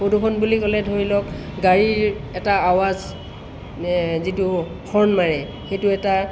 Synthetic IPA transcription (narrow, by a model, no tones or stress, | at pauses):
xodʱukʰɔnbulikɔlɛdʱoɹilɔkɡaɹiɹɛtaawaz | zitu | kʰɔɹnmaɹɛ | xejtuɛta